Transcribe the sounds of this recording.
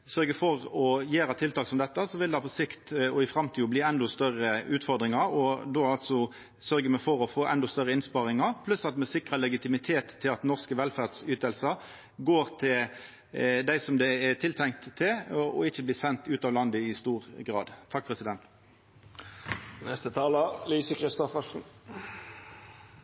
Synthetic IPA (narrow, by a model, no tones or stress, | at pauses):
sœʁɡəfɔʁɔjeːɾɑt̪ʰɪlt̪ɑːksɔmd̪ɛt̪ːəsɔʋɪld̪ɑpʰɔsɪkt̪ɔɪfɾɑmt̪ʰiːʊbliːɛnd̪ɔst̪œʁəʉːt̪fɔʁd̪ʁɪŋɑɔd̪oːɑlt̪sɔ | sœɾɡəmɛfɔɾɔfoːʔɛ̰nd̪ɔst̪œʁəɪnspɑʁɪŋɑɾpʰlʉsɑt̪mɛsɪkʁəlɛɡɪt̪ɪmɪt̪ʰeːt̪ʰːɪlɑt̪nɔʁskəʋɛlfæʁd̪syːt̪əlsə | ɡoːʁt̪ʰɪl | d̪æɪsɔmd̪ɛɛt̪ʰɪlt̪ʰɛŋkt̪ʰːɪlɔ̰ɪçːəbliːsɛnt̪ʉːt̪ɑːʋlɑnd̪əɪst̪uːʁɡʁɑ̰ːd̪ʰɑk̚ːpʰʁɛsɪd̪ɛnt̪ | nɛst̪ət̪ʰɑːləliːsəkʰɾɪst̪ɔfəʂn̩